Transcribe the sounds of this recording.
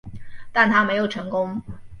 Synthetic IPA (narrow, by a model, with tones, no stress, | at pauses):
t̪a˥˩nt̪ʰa˥me˧˥ɪjo˨˩ʊʈ͡ʂʰɤ˧˥ŋkʊ˥ŋ